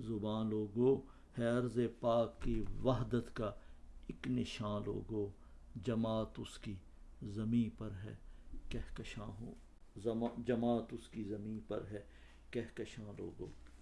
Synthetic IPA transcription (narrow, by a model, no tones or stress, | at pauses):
zʊbãːnloːɡoː | hɛɐɾzepaːkːiʋaɦd̪ət̪kaɪknɪʃãːlo̰ːɡoː | d͡ʒɐmaːt̪ʊski | zɐmĩːpɐɾɦɛ̰ːkɛɦkɐʃãːɦo | d͡ʒɐmaːt̪ʊskizɐmĩːpɐ̰ɾɦɛː | kɛɦkɐʃãːlo̰ːɡoː